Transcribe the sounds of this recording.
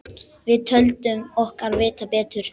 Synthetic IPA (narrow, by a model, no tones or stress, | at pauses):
vɪðt̪ʰœlt̪ʏmɔhkaɾvɪːt̪apɛːt̪ʏɾ̥